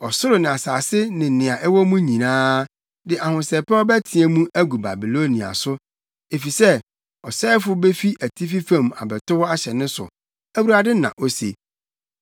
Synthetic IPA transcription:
ɔ˨sʊ˦ɾʊ˨nɪ̃˨a˨saː˨sɪ˦nɪ̃˨nɪ̃˨a˨ʔɛ˦wɔ˦mũ˦ɲĩ˨nãː˦ | dɪ˨ʔa˨hʊ̃˨sɛ˨pɛ˦ɔ˦bɛ˦tʰɪ̃˨ɛ˨mũ˦ʔæ˦ɡu˨ba̰˨bi˨lo˦nĩ˨a̰˨sʊ˦ | e˨fi˨sɛ˦ | ɔ˨sɛː˦fʊ˦be˦fi˦ʔæ˨tʰi˦fi˦fã˨ma̰˨bɛ˨tʊ˦wa˦ɕɛ˨nɪ̃˦sʊ̰˨ | æ˦wu˦ɾa˨dɪ˦nã̰˨ʔo˦sḛ˨

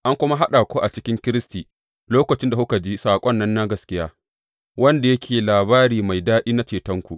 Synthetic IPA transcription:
ʔa˦ŋkʷʊ˦ma˦ɦa˦ɗa˨kʷoː˦ʔa˨t͡ʃɪ˦kʲɪ˦ŋkʲɪ˦ɾɪ˦stiː˨ | loː˦kɐ˨t͡ʃɪ˦nda˨hʊ˦ka˨d͡ʒiː˦saː˨kʷʼɔ˦nːɐ˦nːa˦ɡɐ˨skʲɪ˦jaː˦ | wɐ˦nda˨jɐ˦kʲʰeː˨laː˨baː˦ɾiː˨ma˨jdaː˦ɗiː˦na˦t͡ʃeː˨tɐ˦ŋkʷu˨ʔ

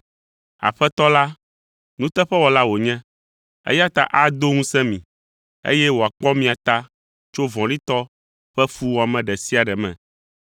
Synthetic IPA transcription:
a̰˨ɸɛ˦t̪ɔ˦la˦ | nũ˦t̪ɛ˦ɸɛ˦wɔ˨la˦wo˨ɲɛ̃˦ | ḛ˦ja˦t̪a̰˦ʔa˦d̪o˦ŋũ˦sɛ̃˦mĩ˨ | ḛ˦jɛ˦wo˨a˨k͡pɔ˦mĩ˨a˨t̪a˦ | t͡ʃo˦vɔ̃˨ɖi˦t̪ɔ˦ | ɸɛ˦fu˦wɔ˨a˨mɛ̃˨ɖɛ˨si˦a˨ɖɛ˨mɛ̰̃˨

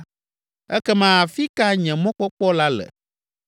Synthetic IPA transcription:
ɛ̰˦kɛ˦mã˨a˨fi˦ka˦ɲɛ̃˨mɔ̃˦k͡pɔ˦k͡pɔ˦la˦lɛ̰˨

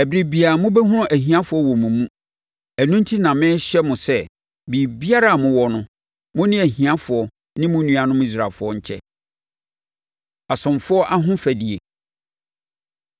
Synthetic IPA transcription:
æ˨bɾi˨bi˨a˨mʊ̃˦bɛ˦ɦʊ̃˦ɾʊ̃˦ʔæ˨ɦĩ˨ã˦fʊ˨˦ɔ˦wɔ̃˨mũ˨mũ˦ | æ˨nũ˦ntʰi˦nã˨mɪ̃˦ɕɛ˦mʊ̃˨sɛ˦ | bi˨bi˦a˦ɾa˦a˨mʊ̃˦wɔ˦nʊ̃˦ | mʊ̃˦nɪ̃˦æ˨hĩ˨ã˦fʊ˨ɔ˨ | nɪ̃˦mʊ̃˦nũ˦a˨nʊ̃˦mi˦˨s̬ɾa˨fʊ˨˦ɔ˦ɲ̩˨t͡ɕʰɛ̰˦ | a˨sʊ̃˨mfʊ˦ɔ˦ʔa˦ɦʊ̃˦fæ˨di˨e˨

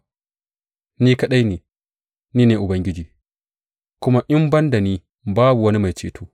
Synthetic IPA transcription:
niː˦kɐ˦ɗa˦jneː˨ | niː˦neː˨ʔʊ˨bɐ˦ŋɡʲɪ˦d͡ʒiː˨ | kʷʊ˦ma˦ʔɪ˦mbɐ˦nda˨niː˦ | baː˦bu˨wɐ˦ni˦ma˨jt͡ʃḛː˨tʰoː˦

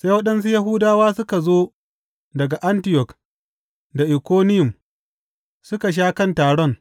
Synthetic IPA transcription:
se˦jwɐ˦ɗɐ˦ns̬u˦jɐ˦ɦʊ˦daː˦waː˦sʊ˦ka˨zoː˦ | dɐ˨ɡa˨ʔa˦ntɪ˦jɔ˨k | da˨ʔɪ˨kʷoː˦nɪ˦jʊ˨m | sʊ˦ka˨ʃ̬aː˦kɐ˦˨ntaː˨ɽɔ˦ŋ

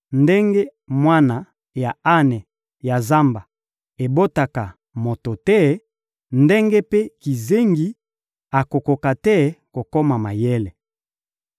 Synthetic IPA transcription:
nde˦ŋɡe˦ | mwa˦na˨ | ja˨a˦nɛ˨ | ja˨za˦mba˨ | e˨bo˦ta˨ka˨ | mo˨to˨tɛ˦ | nde˦ŋɡe˦pe˦ki˨ze˦ŋɡi˦ | a˨ko˨ko˨ka˨tɛ˦ko˨ko˦ma˨ma˨je˦le˨

